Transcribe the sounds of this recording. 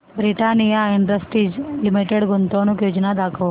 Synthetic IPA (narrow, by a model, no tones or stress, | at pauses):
bɾiʈanijaɪɳɖəsʈɾid͡ʒlimiʈeɽɡunt̪onukjod͡ʒnad̪akʰəʋ